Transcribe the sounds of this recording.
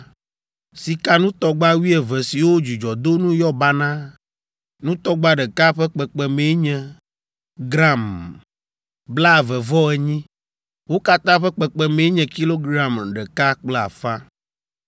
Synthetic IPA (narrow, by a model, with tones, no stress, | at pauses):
si˨ka˦nũ˦t̪ɔ˦ɡ͡ba˦wi˦ɛ˨vɛ˨si˨wo˦d͡ʒu˨d͡ʒɔ˨d̪o˦nũ˦jɔ˦ba˦nã˦ | nũ˦t̪ɔ˦ɡ͡ba˦ɖɛ˨ka˦ɸɛ˦k͡pɛ˨k͡pɛ˨me˨˦ɲɛ̃˨ | ɡɾa˦˨m | bla˦˨vɛ˨vɔ˦ɛ˨ɲĩ˦ | wo˦ka˦t̪ã˦ɸɛ˦k͡pɛ˨k͡pɛ˨me˨˦ɲɛ̃˨ki˦lo˦ɡɾa˨mɖɛ˨ka˦k͡plɛ˦˨a̰˨fa˦